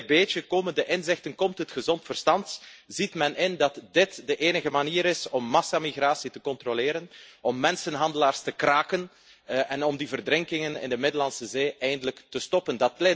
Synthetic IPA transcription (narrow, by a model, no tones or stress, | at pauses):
beːtəkoːməndəʔɪnzɪxtənkɔmtɦətxəzɔntfərstɑntz̥itmɛnʔɪndɑtdɪtdəʔeːnəɣəmaniːɾɪsɔmːɑsamiɣraːsitəkɔntrolɪːɾənɔmːɛnsənɦɑndəlaːrstəkraːkən | ʔɛnɔmdivərdɾɪŋkɪŋənɪ̰ndəmɪdəlɑnsəzeːʔɛjndələktəstɔpəndɑt̚lɛ